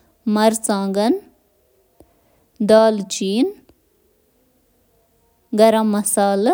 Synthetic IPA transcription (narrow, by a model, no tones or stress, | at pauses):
mɐɾsãːŋɡɐn | d̪aːlt͡ʃiːn | ɡɐɾɐmːɐsaːl